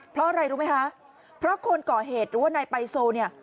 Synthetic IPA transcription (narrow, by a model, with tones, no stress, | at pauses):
pʰɾɔ˦˥ʔa˧ɾa˧jɾuː˦˥ma˦˥jkʰa˦˥ʔ | pʰɾɔ˦˥kʰo˧nkɔː˨˩ɦeː˨˩t̪̚ɾɯː˨˩˦wa˥˩naː˧jpa˧jsoː˧ni˥˩ɐ